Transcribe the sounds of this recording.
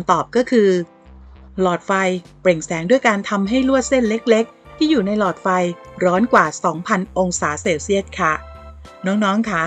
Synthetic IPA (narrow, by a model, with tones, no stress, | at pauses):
t̪ɔː˨˩p̚kɔː˥˩kʰɯː˧ | lɔː˨˩t̪̚fa˧jpɾe˨˩ŋsɛː˩˦ŋdu˥˩əjkaː˧nt̪ʰa˧mɦa˥˩jlu˥˩ət̪̚se˥˩nle˦˥k̚le˦˥k̚t̪ʰiː˥˩juː˨˩na˧jlɔː˨˩t̪̚fa˧jɾɔː˦˥nkwaː˨˩sɔː˩˦ŋpʰa˧nʔo˧ŋsaː˩˦seː˧wsi˥˩ət̪̚kʰa˥˩ | nɔː˦˥ŋnɔː˦˥ŋkʰa˦˥˩